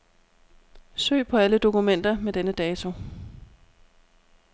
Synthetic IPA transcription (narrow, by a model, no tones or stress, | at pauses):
sø̰ːpʰɒ̽æləd̥o̝kumen̰d̥ɐmed̥enəd̥ɛːt͡sʰo̝